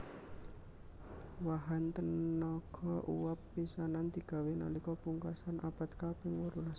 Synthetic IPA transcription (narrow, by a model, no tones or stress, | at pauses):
waɦant̪ənɔɡ̥ɔʔṵwapːisanand̪̥i̤ɡ̥a̤wena̰likɔpuŋkasanʔapat̪kapɪŋwɔɾula